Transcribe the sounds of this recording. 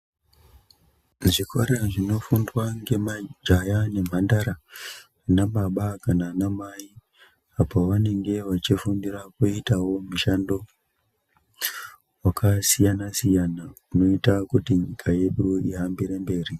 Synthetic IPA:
ʐiko̞ɾeʐino̞fundwaŋɡe̞mad͡ʒajane̞mandaɾa | naɓaɓakananamai | apoʋane̞ŋɡe̞ʋat͡ʃifumbiɾakuitawo̞muʃando̞ | wakʰasijanasijanauno̞itakutiɲikʰaje̞ɗuiɦambeɾembe̞ːri

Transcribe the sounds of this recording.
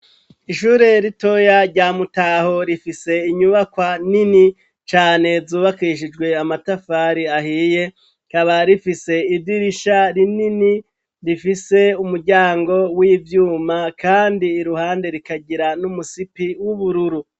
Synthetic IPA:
iʃuːɾe̞ɾito̞jaɾɟaːmutaho̞ɾifise̞iɲuβakwanini | t͡ʃaːne̞zuːβakiʃ̬id͡ʒɡwe̞amatafaːɾiahiːje̞ | kaβaɾifise̞ibiɾiʃaɾinini | ɾifise̞umuɾɟaːŋɡo̞wivjuːmakʰaːndiːɾuhaːnde̞ɾikaɟiɾanumusipiwuβuɾuɾu

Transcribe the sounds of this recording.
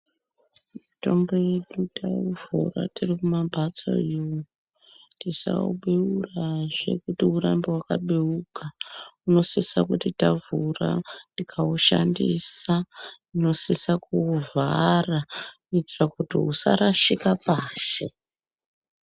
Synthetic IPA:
mito̞mbo̞je̞ɗutauvṵra̰tirikumabʱat͡so̰iwo | tisa̰ṵɓeuraʐe̞̰kutiuɾambewakaɓeukauno̞sisakutitavura̰ndikʰauʃandisa | ino̞sisakuvʱarakuitirakutiusa̰ɾaʃikapaːʃe

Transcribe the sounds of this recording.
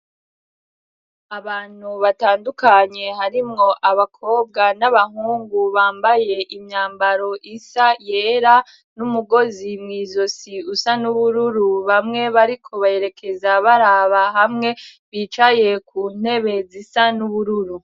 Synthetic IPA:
aβaːn̥huβataːndukaɲe̞ɦaɾimŋo̞ʔaβakʰo̞ːb̚ɡanaβaɦuːŋɡuβaːmbaje̞ʔimɲaːmbaɾo̞ʔisajeːɾa | numuɡo̞zimŋiːzo̞siusanuβuɾuɾuβamŋe̞βaɾikʰo̞βaje̞ɾe̞kʰe̞zaβaɾaβaɦamŋe̞βit͡ʃaje̞kuːn̥he̞βe̞zisanuβuɾuɾu

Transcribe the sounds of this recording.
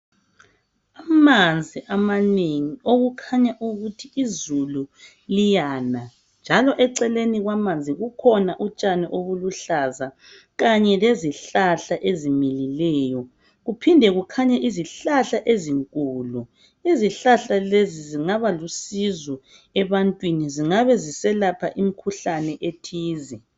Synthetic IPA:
amand͡zʱiʔamaneŋioɣukʰaɲaʔuɣutʰiizulu | lijana | nd͡ʒʱalɔʔɛǀɛleniɣwamand͡zʱiɣukʰɔnaʔut͡ʃʼanɛʔoβuluɬaza | ɣaɲɛleziɬaɬaʔezimililɛːjɔ | ɣupʰindʱɛɣukʰaɲaʔiziɬaɬaʔeziŋkʼuːlu | iziɬaɬaleziziŋaβalusizɔ | ɛβantʼwiniziŋaβɛzisɛlapʰa̰ʔimikʰuɬanɛʔetʰiːzi

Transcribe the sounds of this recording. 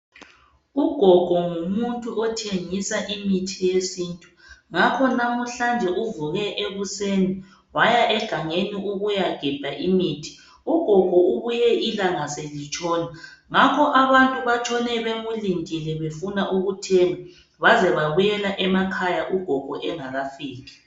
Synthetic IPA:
uɡ̥ʱɔɡ̥ʱɔŋumuntʼuʔɔtʰeŋisaʔimitʰijesintʼu̥ŋakʰɔnamuɬand͡ʒʱɛʔuvuɣɛʔeβuseni | wajaʔɛɡ̥ʱaŋeniʔuɣujaɡ̥ʱib̥ʱaʔimiːtʰi̥ | uɡ̥ʱɔɡ̥ʱɔuβujɛʔilaŋaselit͡ʃʼɔːnaŋakʰɔʔaβantʼuβat͡ʃʰʼɔnɛβeɣulindʱʼilɛβefunaʔuɣutʰeŋɔ | βazɛβaβujɛlaʔɛmakʰajaʔuɡ̥ʱɔɡ̥ʱɔʔɛŋaɣafiːk̬ɛ̥

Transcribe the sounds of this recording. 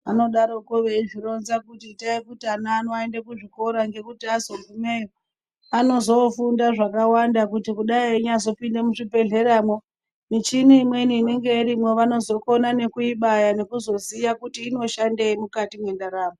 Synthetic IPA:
ano̞ɗaɾo̞koʋeiʐiro̞nzakutitaikutianaːnoaendekuʐiko̞ɾaŋɡe̞kutiazovume̞jo | ano̞zo̞fundaʐakawandakutikuɗaiɲazo̞pindemuʐibe̞ɮe̞ɾaːmo̞ | mit͡ʃiniːmwe̞niːne̞ŋɡe̞iɾimwe̞ʋano̞zo̞ko̞nane̞kuiɓajane̞kuzo̞zijakutiːno̞ʃandeimukatimwe̞ndaɾaːmo

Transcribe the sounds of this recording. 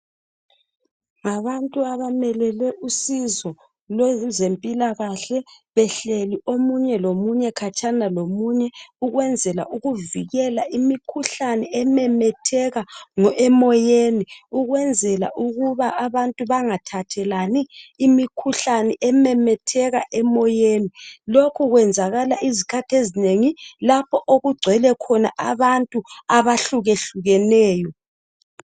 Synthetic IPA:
ŋaβantʼuaβamɛlɛlɛʔusizɔ | lɛzempʼilaɣaɬɛβɛɬeliomuɲɛlomuɲɛkʰat͡ʃʼanalomuɲɛuɣwɛnd͡zʱɛla̰ʔuɣuviɣɛlaʔimikʰuɬanɛɛmɛmɛtʰɛɣaŋɔʔɛmɔjeniuɣwɛnd͡zʱɛla̰ʔuɣuβaʔaβantʼuβaŋatʰatʰɛlaniːmikʰuɬanɛʔɛmɛmɛtʰɛɣaʔɛmɔjenilokʰuɣwɛnd͡zʱaɣalaʔizikʰatʰezineŋilapʰɔʔoɣuɡ͡ǀʱɛlɛkʰɔna̰ʔaβantʼuaβaɬuɣeɬuɣɛnɛːjɔ

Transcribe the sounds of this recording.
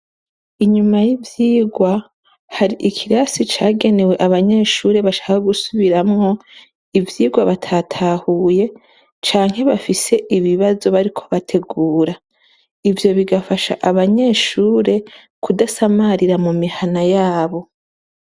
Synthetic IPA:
iɲumajivjiːɡwa | haɾiʔikʰiɾasit͡ʃaːɡe̞ne̞we̞ʔaβaɲe̞ːʃuːɾe̞βaʃḁkoɡusuβiɾamŋo̞ | ivjiːɡwaβatʰatʰaːhuːje̞ | t͡ʃaːŋ̥he̞βafise̞ʔiβiβazo̞βaɾikʰo̞̥βatʰe̞ɡuːɾa | ivjo̞βiɡafaʃa̰ʔaβaɲe̞ːʃuːɾe̞ | kʰudasamaɾiɾamumihanajaːβo̞

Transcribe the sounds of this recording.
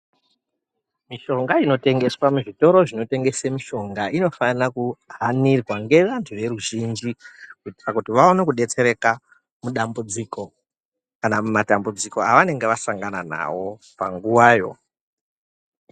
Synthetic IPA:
miʃo̞ŋɡaino̞te̞ŋɡe̞swamuʐito̞ɾo̞ʐino̞te̞ŋɡe̞semiʃo̞ŋɡaino̞fanirakuɦanirwaŋɡe̞ʋantʰuʋe̞ɾuʒind͡ʒikuiti̥kakutiʋao̞nekuɗe̞t͡se̞ɾe̞ka | muɗambud͡ziko̞ | kanamumatambud͡ziko̞aʋane̞ŋɡeʋasaŋɡanana̰ʋo̞ | pa̰ŋɡuwaːjo̞̰

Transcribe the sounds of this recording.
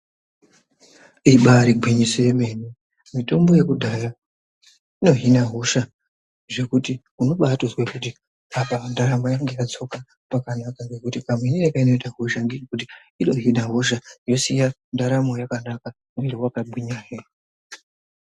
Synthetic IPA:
iɓaɾiɡʱwiɲisejeme̞ni | mito̞mbo̞je̞kudʱaja | ino̞ɦinaɦoʃa | ʐe̞kuti | uno̞ɓatozwekuti | apamandaɾamajaŋɡe̞jat͡so̞ka | pakanakaŋɡe̞kutikamweninekaino̞itaɦoʃaŋɡeekut̬i | iɗo̞ɦinaɦoʃajo̞sija | ndaɾamojakanaka | meɾiwakabwiɲaːɦe

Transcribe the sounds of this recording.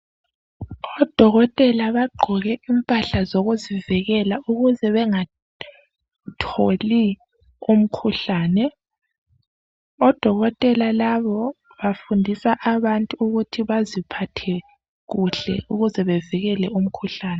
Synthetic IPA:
ɔd̥ʱɔɣɔtʼɛlaβaɡ͡ǃʱɔɣɛʔimpʼaɬazoɣuzivɛɣɛlauɣuzɛβɛŋa | tʰoli | um̩kʰuɬaːnɛ | ɔd̥ʱɔɣɔtʼɛlalaβɔ | βafundʱisaʔaβantʼuuɣutʰiβazipʰatʰɛ | ɣuɬɛ̰uɣuzɛβɛviɣɛlɛum̩kʰuɬaːnɛ

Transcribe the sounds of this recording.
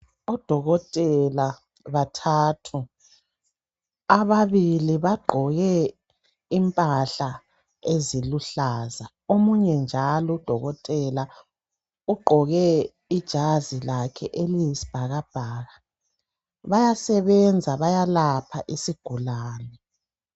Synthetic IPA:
ɔd̥ʱɔɣɔtʼɛla | βatʰaːtʰu | aβaβiliβaɡ͡ǃʱɔɣɛ | impʼaɬa | eziluɬaːza | omuɲɛnd͡ʒʱalɔd̥ʱɔɣɔtʼɛla | uɡ͡ǃʱɔɣɛ | id̥ʒ̥ʱazilakʰɛʔelijisi̥b̥ʱaɣab̥ʱaːɣa | βajasɛβɛnd͡zʱaβajalapʰaʔisiɡ̥ʱulaːnɛ

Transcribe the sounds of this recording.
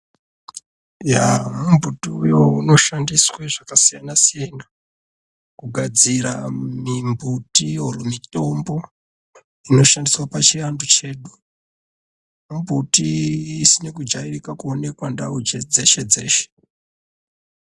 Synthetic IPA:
jamumbʱutuujouno̞ʃandisweʐakasijanasijana | kuɡʱad͡ziɾamimbʱutiurumito̞mbo̞ | ino̞ʃandiswapat͡ʃirandut͡ʃe̞ːɗu | mumbʱutiːsinekud͡ʒairikakuone̞kwandaud͡ʒed͡ze̞ʃe̞d͡ze̞̰ːʃe̥

